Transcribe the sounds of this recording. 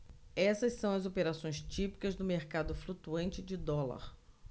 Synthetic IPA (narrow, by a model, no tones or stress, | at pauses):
ɛsɐssɐ̃w̃ɐzopeɾasõj̃st͡ʃipi̥kɐzd̪ʊmeɾkad̪ʊflut̪uɐ̃nt͡ʃɪd͡ʒɪd̪ɔlɐ̰ɾ